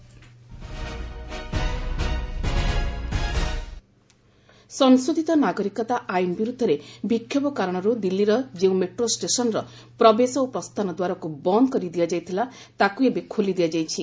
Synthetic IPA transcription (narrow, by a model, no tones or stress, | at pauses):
sɔŋsɾud̪ʱit̪ɔnaɡɔɾikɔt̪aʔainɔbiɾud̪ʱːɔɾebikʰːjɔbɔkaɾɔɽ̃ɔɾud̪ilːiɾɔd͡ʒeũmeʈɾosʈesɔnɾɔ | pɾɔbesɔopɾɔst̪ʰanɔd̪waɾɔkubɔnd̪kɔɾid̪ijad͡ʒajt̪ʰila | t̪akuebekʰolid̪ijad͡ʒajt͡ʃʰi